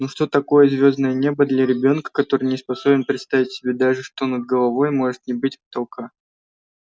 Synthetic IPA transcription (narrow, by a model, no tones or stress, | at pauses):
nuʂt̪o̞t̪ɐko̞jəzʲvʲo̞znəjənʲe̞bəd̪lʲɐɾʲɪbʲo̞nkə̥kɐt̪o̞ɾɨjnʲɪspɐso̞bʲɪnpɾʲɪt̪st̪avʲɪtʲsʲɪbʲe̞d̪aʐɨʂt̪o̞nəd̪̚ɡəlˠɐvo̞jmo̞ʐɨt̪̚nʲɪbɨtʲpə̥t̪ɐlˠka